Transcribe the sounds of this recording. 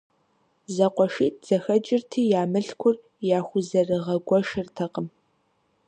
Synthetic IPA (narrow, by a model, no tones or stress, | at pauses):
zɐqʷɔʂiːt̚z̥ɐxɐd͡ʒʼɪrtʰiːjaːmɨɬkʷʰʊr | jaːxʷʊzɐrɨʁɐɡʷɔʃɨrtʰɐqʼəm